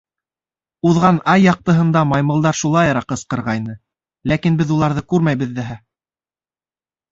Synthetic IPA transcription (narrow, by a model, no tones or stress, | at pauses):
uðʁɑnɑjːɑq̚t̪ɤ̆ɦɤ̆nd̪ɑmɑjmɤ̆lˠd̪ɑɾʃulˠɑjɑɾɑqɤ̆sqɤ̆ɾʁɑjnɤ | lækinbɘðulˠɑɾðɤkʉɾmæjβɘ̆ðːɘɦæ